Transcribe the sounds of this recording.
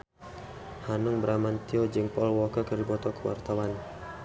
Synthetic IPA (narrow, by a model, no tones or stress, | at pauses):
hanuŋbəɾamant̪iɔd͡ʒəŋpɔlwɔkakərdibɔt̪ɔkəwa̰rt̪awan